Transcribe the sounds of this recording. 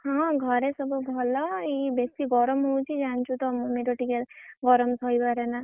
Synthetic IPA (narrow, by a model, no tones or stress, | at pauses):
ɦɔ̃ɡʱɔɾesɔbubʱɔlɔibesiɡɔɾɔmɦowt͡ʃʰid͡ʒant͡ʃʰut̪ɔmumeɾɔʈikelɡɔɾɔmsɔjbaɾena